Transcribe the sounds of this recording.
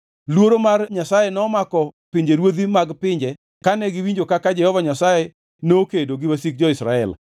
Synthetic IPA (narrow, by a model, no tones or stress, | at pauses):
lwoɾomarɲasajɛnɔːmakɔpɪɲd͡ʒeɾwod̪imaɡpɪɲd͡ʒɛ | kanɛɡɪwiɲd͡ʒokakad͡ʒɛhɔvaɲasajɛ | noːkedoɡɪwasik̚d͡ʒɔɪsɾaɛ̰l